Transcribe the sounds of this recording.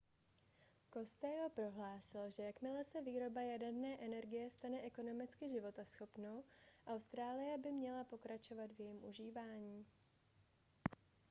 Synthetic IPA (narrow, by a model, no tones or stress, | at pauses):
ko̞st̪ɛjopɾo̞ɦlaːsɪlʒɛjakmɪlɛsɛviːɾo̞bajadɛrnɛːʔɛnɛɾɡɪjɛst̪anɛʔɛko̞no̞mɪt͡skɪʒɪvo̞t̪asxo̞pnowʔawst̪ɾaːlɪjɛbɪmɲɛlapo̞kɾat͡ʃo̞vat̪vjɛjimʔuʒiːvaːɲiː